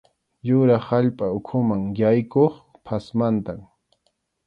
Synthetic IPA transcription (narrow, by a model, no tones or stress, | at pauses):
jʊɾɑχaʎpʼaʊkʰʊmaŋjajkoχ | pʰasmant̪am